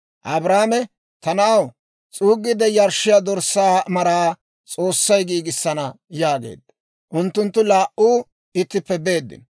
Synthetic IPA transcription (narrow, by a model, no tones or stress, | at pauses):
ʔɐbɾaːmɛ | t̪ɐnaːw | t͡sʼuːɡːɪd̪ɛjɐɾʃɪjad̪ɔɾsːaːmɐɾaː | t͡sʼo̞ːsːɐjɡiːɡɪsːɐnɐ | jaːɡḛːd̪ːɐ | ʔʊnt̪ːʊnt̪ːʊlaːʔuː | ɪt̪ːɪpːɛbe̞ːd̪ːɪ̰n